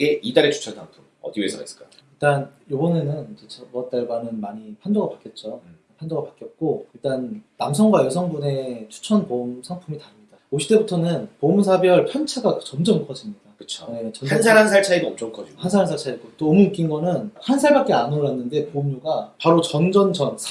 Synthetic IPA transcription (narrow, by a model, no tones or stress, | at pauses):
ɡe̞idaɾet͡ɕʰu̥t͡ɕʰʌntʰaŋpʰumʌ̰diwe̞sʰʌ̰es͈k͈a̰iɭt͈anjobʌne̞nɯnd͡ʑet͡ɕʌbʌt̚t͈aɭbamɯnmaɲipʰandoɡapak͈jʌt̚t͡ɕ͈o | pʰandoɡapak͈jʌt̚k͈oiɭt͈anːams̬ʰʌŋɡwajʌsʰʌŋbune̞t͡ɕʰu̥t͡ɕʰʌnpomsʰaŋpʰumitaɾɯmɲiidaoɕʰi̥t͈e̞butʰʌnɯnpomsʰabjʌɭpʰjʌnt͡ɕʰaɡat͡ɕʌmd͡ʑʌmkʰʌd͡ʑimɲidakɯ̥t͡ɕʰone̞t͡ɕʌnansʰaɾansʰaɭt͡ɕʰaidoʌmt͡ɕ͈ʌmkʰʌd͡ʑiɡhansʰaɾansʰaɭt͡ɕʰaiɡ͈ot͈oːmɯnɯk͈inɡʌnɯnhansʰaɭbak͈eanoɾanːɯnde̞pomɲuɡapaɾot͡ɕʌnd͡ʑʌnt͡ɕʌnsʰ